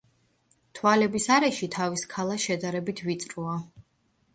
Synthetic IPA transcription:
t̪ʰwalɛbisaɾɛʃit̪ʰaviskʰalˠaʃɛd̪aɾɛbit̪ʰvit̪sʼɾua

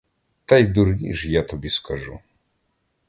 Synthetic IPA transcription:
t̪ajd̪uɾɲḭʐjat̪ɔbʲjɛskʰaʐṵ

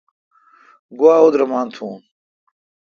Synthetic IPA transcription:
ɡwaːod̪ɾɐmaːnt̪ʰuːn

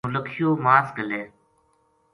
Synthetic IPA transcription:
ləkʰɪjoːmaːsɡəleː

